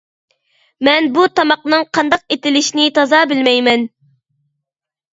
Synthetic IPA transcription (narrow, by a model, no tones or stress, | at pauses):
mɛnbut̪ʰɑmɑq̚nɨŋqʰɑnd̪ɑq̚et̪ɪlɪʃinɪt̪ʰɑzɑbɪlmɛjmɛn